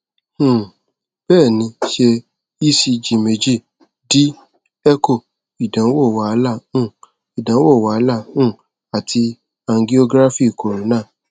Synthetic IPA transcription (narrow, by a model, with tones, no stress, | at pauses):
hũ˦˨ | b̥ɛː˦˨nĩ˧˦ʃe˧ | i˦si˧d͡ʒi˨me˨d͡ʒi˦˨ | di˦ | ɛ˦ko˦˨ | i˨dã˨˦wo˦˨wa˨˦˧la˦˨ũ˦˨ | i˨dã˨˦wo˦˨wa˨˧˦la˦˨ũ˦˨ | a˨tʰi˧ | a˧ŋ˦ɡi˦o˧ɡɾa˦fi˦˨ko˨ɾo˨˦nãː˦˨